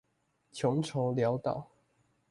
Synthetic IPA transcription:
t͡ɕʰjɔ˧˥˦ŋʈ͡ʂʰo˧˥˦ljɑ˧˥ʊt̪ɑ˨˩˦ʊ

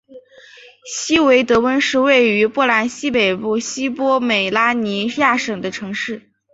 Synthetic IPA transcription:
ɕi˥we˧˥ɪt̪ɤ˧˥wə˥nʂɻ̩˥˧we˥˩ɪy˧˥pwɔ˥˩la˧˥nɕi˥pe˨˩ɪpu˥˩ɕi˥pwɔ˥me˨˩ɪla˥ni˧˥ja˥˩ʂɤ˨˩ŋd̪ə˦ʈ͡ʂʰɤ˧˥ŋʂɻ̩˥˩

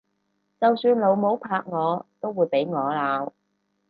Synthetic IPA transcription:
t͡sɐ˨wsyː˧nlo˨˧wmo˨˥wpʰaː˧k̚ŋɔː˨˧t̪o˥wwuː˨˧jpe˨˥jŋɔː˨˧laː˨˧w

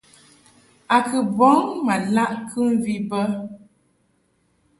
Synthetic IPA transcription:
a˨kɨ˨bɔ˨˦ŋma˨la˦ʔkʰɨ˦m˦˨vi˦bə˦

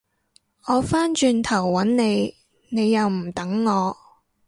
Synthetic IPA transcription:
ʔɔː˨˧faː˥nt͡ʃyː˧nt̪ʰɐ˨˩wːɐ˨˥nne˨˧j | ne˨˧jːɐ˨˧wm̩˨˩t̪ɐ˨˥ŋːɔː˨˧

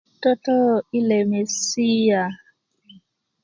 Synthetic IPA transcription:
tɔ˦tɔ˦i˦le˨me˨si˦ja˨

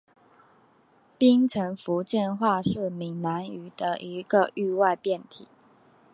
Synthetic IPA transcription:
pi˥ŋt͡sʰə˧˥ŋfu˧˥t͡ɕjɛ˥˧nxwa˥˧ʂɻ̩˥˩mi˨˩ŋna˧˥ny˨˩d̪̥ə˦ʔi˧˥ɡə˧ʔy˥˧wa˥˧ɪpjɛ˥˩nt̪ʰḭ˨˦

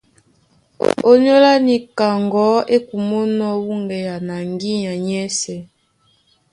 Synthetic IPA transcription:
o˦ɲɔ˦la˦ni˨ka˨ŋɡɔ˦e˦ku˨mo˦nɔ˦wu˦ŋɡɛ˨ja˨na˨ŋɡi˦ɲa˨ɲɛ˦sɛ˨

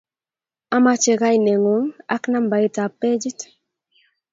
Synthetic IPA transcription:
a˦ma˦t͡ʃe˨ka˦i˨ne˨ŋo˦ŋa̰˦kna˦mba˨i˦ta˨pe˦d͡ʒi˦t

